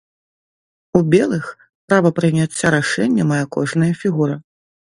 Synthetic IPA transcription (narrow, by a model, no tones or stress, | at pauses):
ubʲɛlˠɨx | pɾavɐpɾɨmʲat͡sʲːaɾaʂɛnʲːɐmajɛkɔʐnɐjɐfʲiɣuɾɐ